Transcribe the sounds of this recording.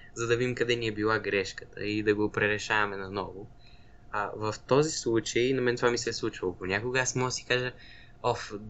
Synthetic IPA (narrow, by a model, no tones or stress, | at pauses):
zɐd̪ɐvid̪ʲimkɐd̪ɛniɛbilˠaɡɾɛʃkə̥t̪ʰə̰id̪ɐɡopɾɛɾɛʃavɐmɛnɐnɔvo | avɐft̪ɔzislˠut͡ʃəjnɐmɛnɛt̪ovamisɛslˠut͡ʃilˠoponʲakoɡəasmɔd̪ɐsi̥kaʒə | ɔf